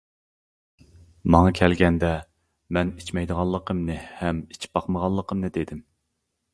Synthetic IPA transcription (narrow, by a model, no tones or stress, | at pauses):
mɑŋɑkʲʰɛlɡʲɛnd̪ɛ | mɛnit͡ʃʰmɛjd̪əʁɑlˠːəqʰəmnɨhɛmit͡ʃʰi̥p̚bɑqməʁɑlˠːəqʰəmnɨd̪ed̪ɪm